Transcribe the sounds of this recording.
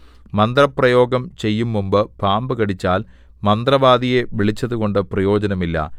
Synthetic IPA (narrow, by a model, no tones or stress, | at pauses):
mɐnd̪rɐprɐjo̞ːɡɐmt͡ɕe̞jːumːumbɨbʱaːmbɨɣɐɽit͡ɕːaːl | mɐnd̪rɐʋaːd̪ije̞ʋiɭit͡ɕːɐðuɣo̞ɳɖɨprɐjo̞ːd͡ʑɐnɐmilːɐ̰